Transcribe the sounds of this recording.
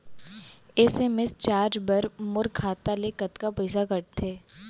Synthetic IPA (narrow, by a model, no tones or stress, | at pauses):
eːseːmest͡ʃaːɾd͡ʒbɐɾmʊɾkʰːaːt̪alekɐt̪kapəɪsakɐʈt̪ʰeː